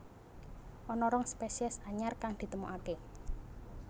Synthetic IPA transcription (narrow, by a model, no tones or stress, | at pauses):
ʔɔnɔɾɔŋspesiɛsaɲarkaŋd̪̥i̤t̪əmuʔake